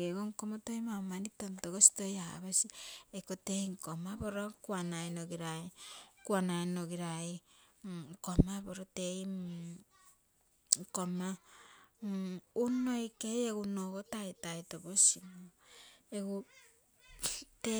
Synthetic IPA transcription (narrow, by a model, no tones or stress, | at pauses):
eɡoŋkomotojmawmanitontoɡosi̥toja̰βasiekoteiŋkomaboɾokuanajnoɡiɾajkuanajnoɡiɾaj | komaboɾotei | ŋkoma | unojkejeɡunoɡotajtajtobosinoeɡu | te